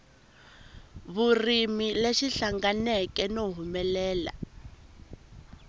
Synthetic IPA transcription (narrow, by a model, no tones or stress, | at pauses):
βurimileʃiɬaŋɡanɛkɛnoɦumɛlɛːla̰